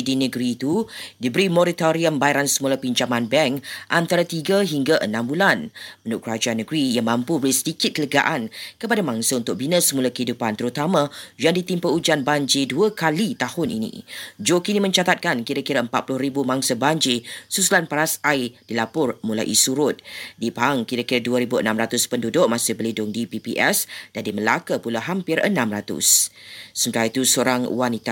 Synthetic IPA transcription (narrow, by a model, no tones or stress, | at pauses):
dinəɡɾiːt̪udibəɾimɔɾit̪oɾiəmbajaɾansəmulapiɲt͡ʃamãnbɛŋʔant̪aɾat̪iɡaɦiŋɡaʔənãmbulanməndʊʔkəɾad͡ʒaanːəɡɾijaŋmãmpubəɾisə̥dikɪt̪̚kələɡa̰ʔankəpadamãŋsaunt̪ʊk̚binəsəmulakəhidupant̪əɾut̪amãjaŋdit̪impəud͡ʒanbaɲd͡ʒiduəkalit̪ahʊnʔḭnḭ̃d͡ʒokinimə̃ɲt͡ʃat̪at̪̚kankiɾakiɾaəmpat̪̚plʊhɾibumãŋsəbaɲd͡ʒisusulanpaɾasajd̥ilapʊrmũla̰ʔḭsuɾʊt̪̚dipaŋkiɾakiɾaduəɾibuə̰nãmɾat̪ʊspəndudʊʔ̚mãsɪhbəlindʊŋdipipḭʔɛsd̥adiməlakəpulaɦampɪrə̰nãmɾat̪ʊ̰ssəmənt̪aɾait̪usoɾaŋwanit̪a